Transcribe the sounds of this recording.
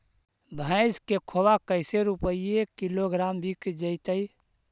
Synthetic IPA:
bʱəɪskekʰobakəɪseɾupəiekiloɡɾambʱikd͡ʒəɪt̪əi

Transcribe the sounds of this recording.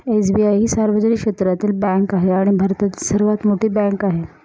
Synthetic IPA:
esbiajɦiːsaɾʋəd͡znikʂet̪ɾat̪iːlbɛ̃ŋkaɦeaɽ̃ibʱaɾt̪at̪ilsəɾʋat̪moʈʰiːbɛ̃ŋkaɦe

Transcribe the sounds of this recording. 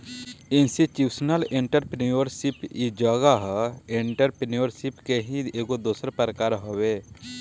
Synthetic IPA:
ɪnsiʈjuːsnəlɪɳʈəɾpnioɾsipid͡ʒəɡaɦɪɳʈəɾpenioɾsipkeɦĩeːɡod̪oːsəɾpəɾkaːɾɦoweː

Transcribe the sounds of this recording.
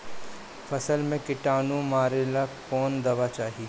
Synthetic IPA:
fɐsəlmẽkɪʈaːnũmaːɾelakɔːnd̪ɐʋat͡ʃaːɦi

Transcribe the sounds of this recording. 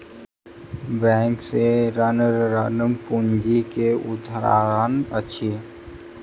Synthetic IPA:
bɛ̃ːŋkseɾənəɾɾənəmkund͡ʒikeʊd̪ʱɾa̰ːənət͡ʃʰi

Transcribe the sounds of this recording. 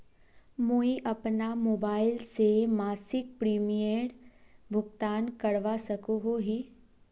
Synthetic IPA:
moːiʔɐpnamoːbaːɪlsemaːsɪk̚pɾiːmijəɾbʱʊɡt̪aːnkɐɽʋasɐkoɦoɦiː

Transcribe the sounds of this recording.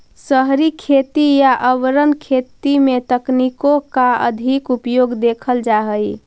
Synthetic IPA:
səɦɾikʰet̪ijaʔəʋɾənkʰet̪imet̪əknikokaə̰d̪ʱikupjoɡd̪ekʰəld͡ʒaɦəj

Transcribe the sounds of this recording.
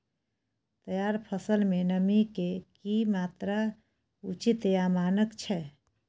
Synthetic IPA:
t̪əjaɾpʰəsəlmenəmikekimat̪ɾa | ṵt͡ʃit̪jamanəkt͡ʃʰɛ

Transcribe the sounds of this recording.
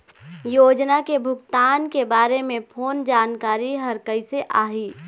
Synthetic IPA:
joːd͡ʒnakebʱʊɡt̪aːnkebaːɾemẽpʰoːnd͡ʒaːnkaːɾiɦəɾkəɪseʔaːɦiː

